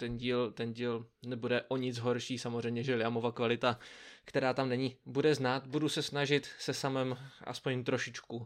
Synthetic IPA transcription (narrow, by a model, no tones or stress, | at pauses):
t̪ɛnɟiːlt̪ɛnɟiːlnɛbudɛʔo̞ɲɪt͡sɦo̞ɾʃiːsamozr̝ɛjmɲɛʒɛlɪamovakvalɪt̪akt̪ɛɾaːt̪amnɛɲɪbudɛznaːt̪budusɛsnaʒɪt̪sɛsamɛmʔa̰spoɲt̪ɾoʃɪt͡ʃku